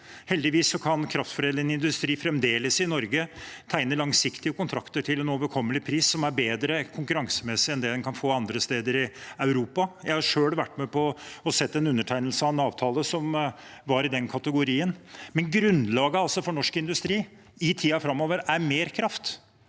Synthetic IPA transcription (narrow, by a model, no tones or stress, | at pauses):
hɛld̪ɪʋiːsːɔkʰɑnkʰɾɑft̪fɔɖeːlɪɛnɪnd̪ʉst̪ɾiːfɾɛmd̪eːləsɪnɔɾɡət̪ʰæɪnəlɑŋsɪkt̪ɪəkʰʊnt̪ʰɾɑkt̪əʈʰɪlɛnoːʋəɾkʰɔmːəlɪpʰɾiːsːɔmæɾbeːd̪ɾəkʰʊŋkʉɾɑŋsəmɛsɪɛnd̪ɛːd̪ɛnkʰɑnfoːɑnd̪ɾəst̪eːd̪əɾɪɑʉɾuːpɑjæɪhɑʂøːɽʋæʈːmɛpʰɔɔsɛt̪ːɛnʉnːəʈʰæɪnəlsəɑʋɛnɑːʋt̪ʰɑːləsɔmʋɑɾɪd̪ɛnkʰɑt̪əɡʊɾiːənmɛnɡɾʉnlɑːɡəɑlsɔfɔɳɔʂkɪnd̪ʉst̪ɾiː | ɪt̪ʰiːɑfɾɑmːoːʋəɾæɾmeːɾkʰɾɑft̪